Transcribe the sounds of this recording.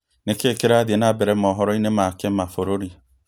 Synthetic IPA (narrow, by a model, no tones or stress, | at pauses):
nekekeɾadenabeɾemɔɦɔɾɔinemakem̩mafoɾoɾi